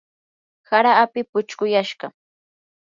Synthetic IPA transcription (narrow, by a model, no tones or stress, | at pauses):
haɾaːpɪpʊt͡ʃkʊjaʃɢɑ